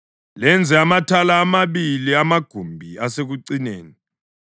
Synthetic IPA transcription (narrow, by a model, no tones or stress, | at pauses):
lɛnd͡zʱɛamatʰalaːmaβiliamaɡ̥ʱumbʱiaseɣuǀineːni